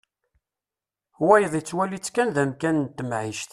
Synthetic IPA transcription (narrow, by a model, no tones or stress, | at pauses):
wæjəðˤit͡sːwælit͡sːkænðæmkænənt̪ːəmʕiʃt̪